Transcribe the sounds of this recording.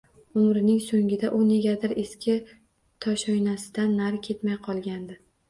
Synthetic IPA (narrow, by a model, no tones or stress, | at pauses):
ʊmɾɪnɪŋsoŋɡʲɪd̪aʔʊne̞ɡʲad̪ɪɾe̞skʲʰɪ | t̪ʰɒʃɒjnasɪd̪anːaɾkʲʰe̞t̪majqʰɒlˠɡʲand̪ɪ